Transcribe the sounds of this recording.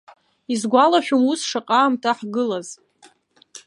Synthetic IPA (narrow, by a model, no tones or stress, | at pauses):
izɡʷalaʃᶣʊmusʂaqʼaːmtʰaħɡɨlaz̥